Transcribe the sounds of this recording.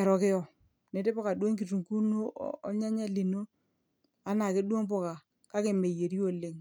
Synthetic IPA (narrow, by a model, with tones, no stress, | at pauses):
ɛ˨ɾɔ˨kɪ˦ɔ˨ | ne˨˦te˦pɔ˦ka˨dwo˦ŋk̬i˨tu˨ŋku˦no̰˦ɔ˦ɲa˦ɲa˦li˨no˦ | a˦na˨kɪ˦du˦o˦ŋpɔ˦ka˨ | ka˦kɪ˦˨me˨je˨ɾi˦o˦˨lɪ˦ŋ